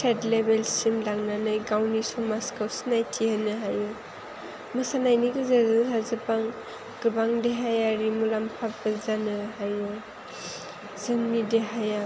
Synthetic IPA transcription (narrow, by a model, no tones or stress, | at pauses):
sʰetlebelsimlaŋnanɯjɡawnisumaskawsinajtʰihanɯɦaju | mɯsanajniɡɯzazɯɦazɯpaŋ | ɡ̥ɯbaŋdeɦajaɾimulampʰap̚ɯzanɯɦaju | z̥ɯŋnideɦaja